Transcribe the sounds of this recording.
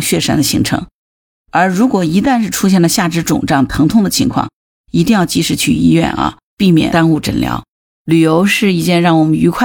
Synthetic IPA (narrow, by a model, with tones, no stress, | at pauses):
ŋɕɥɛ˥˩ʂa˥nd̪ə˧ɕi˧˥ŋʈ͡ʂʰɤ̰˧˥ŋ | ə˞˧˥ɻu˧˥kwɔ˨˩i˧˥t̪a˥˧nʂɻ̩˥˩ʈ͡ʂʰu˥ɕ̬jɛ˥˩nlə˩ɕja˥˩ʈ͡ʂɻ̩˥ʈ͡ʂʊ̰˨˩ŋʈ͡ʂɑ˥˩ŋt̪ʰɤ˧˥ŋt̪ʰʊ˥˩ŋd̪ə˨t͡ɕʰḭ˧˥ŋkʰwɑ̰˥˩ŋ | i˧˥t̪i˥˧ŋjɑ˥˧ʊt͡ɕi˧˥ʂɻ̩˥˩t͡ɕʰy̰˥˩i˥jɥɛ̰˥˩nɐ̰˧ | pi˥˩mjɛ̰˨˩t̪a˥nu˥˩ʈ͡ʂə̰˨˩nljɑ̰˧˥ʊ | ly˨˩jo˧˥ʊʂɻ̩˥˧i˥˩t͡ɕjɛ˥˧nɻɑ˥˩ŋwɔ˨˩mə˦ny˧˥kʰwa˥˩